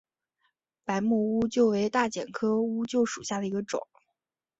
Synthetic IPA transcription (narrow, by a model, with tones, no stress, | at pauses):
pa˧˥ɪmɔ˥˩u˥t͡ɕjo˥˩ʊwe˧˥ɪt̪a˥˩t͡ɕjɛ̰˨˩nkʰɤ˥u˥t͡ɕjo˥˩ʊʂṵ˨˩ɕja˥˩d̪ə˩i˧˥ɡə˧ʈ͡ʂʊ̰˨˩˦ŋ